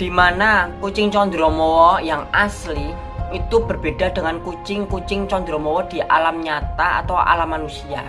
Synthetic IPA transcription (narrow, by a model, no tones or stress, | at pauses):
d̪̥i̤manakut͡ʃɪŋt͡ʃɔnd̪ɾɔmɔwɔjaŋasli | it̪ub̥ərb̥eɖ̥ad̥əŋankut͡ʃɪŋkut͡ʃɪŋt͡ʃɔnd̪ɾɔmɔwɔd̪̥i̤ʔa̰lamɲat̪aa̰t̪awa̰lamːanusia